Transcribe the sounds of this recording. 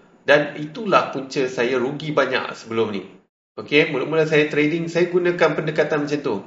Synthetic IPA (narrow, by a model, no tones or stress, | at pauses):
danit̪ulahpuɲt͡ʃəsajaɾuɡibaɲa̰ksəbəlʊmnḭ | okemulʊʔ̚mulasajat̪ɾedɪŋsajaɡunãkanpəndəkat̪anmat͡ʃant̪u